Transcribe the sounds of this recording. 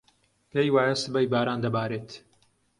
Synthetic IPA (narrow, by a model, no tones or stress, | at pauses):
pʰejwaːjɐsɨbɐjbaːɾaːnd̪ɐbaːɾeːt̪